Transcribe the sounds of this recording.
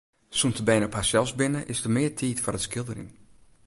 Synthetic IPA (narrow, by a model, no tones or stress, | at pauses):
suntəbɛjnəɔphasɛlˠsbɪnəʔɪsdəmɪəɹtʰiːtfɔrəskɪlˠdərḭŋ